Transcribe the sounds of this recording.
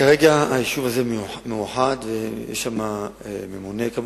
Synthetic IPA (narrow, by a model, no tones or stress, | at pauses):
kaʁeɡaajiʃuvazemmejuħad̪vejɛ̰ʃama | ememunekam